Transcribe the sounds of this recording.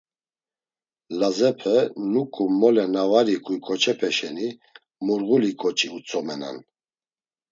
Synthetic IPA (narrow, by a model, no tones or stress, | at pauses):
lazɛpʰɛnukʼumɔlɛnavaɾikʰujkʰɔt͡ʃʰʼɛpʰɛʃɛni | muɾɣulikʰʼɔt͡ʃʼiut͡sʰʼɔmɛna̰n